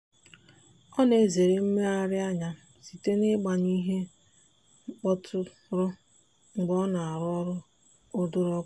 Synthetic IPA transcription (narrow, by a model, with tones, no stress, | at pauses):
ɔ˦ne˨ze˨ɾe˦m̩˦me˦a˦ɾɪ˦a˦ɲa˨si˨te˦nɪ˦ɡ͡ba˨ɲi˦ɦe˦ | ŋ͡m̩˦k͡pɔ˦tʰʊ˦ | ɾʊ˦ | ŋ͡m̩˨ɡ͡bɔ˦na˨a˨ɾʊ˦ɔ˦ɾʊ˦ | ʊ˦dʊ˦ɾɔ˦